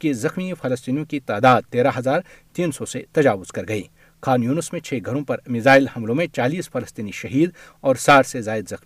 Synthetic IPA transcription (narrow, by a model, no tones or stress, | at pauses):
kizɐxmifɐlɐst̪iːnijõkit̪aːd̪aːd̪̚t̪eːɾaɦɐzaːɾt̪iːnsɔset̪ɐd͡ʒaːʋʊz̥kɐɾɡɐiː | kʰaːnjuːnəsmẽt͡ʃʰeːɡʱɐɾõpɐɾmɪzaːɪlhɐ̃mlõmẽt͡ʃaːliːsfɐlɐst̪iːniʃɐɦiːd̪ | ɔːɾsaːɾsezaːɪd̪zɐxmi